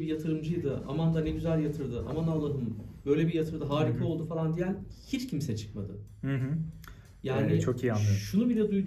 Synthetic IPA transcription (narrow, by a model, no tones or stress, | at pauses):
bijat̪ʰɯɾɯmd͡ʒɯjd̪ɯa̰mand̪aneɟyzælʲjat̪ʰɯɾd̪ɯʔa̰manalːˠanɯnb̥ø̞jlʲɛbijat̪ʰɯɾd̪ɯɦaːɾik̪ʰao̞lˠd̪ufalˠand̪ijænhit͡ʃcʰimsɛt͡ʃʰɯ̥k̚mad̪ɯ̰hɯɦ | jaːnɪt͡ʃʰokijanːɯʃunubilʲɛd̪ujd̪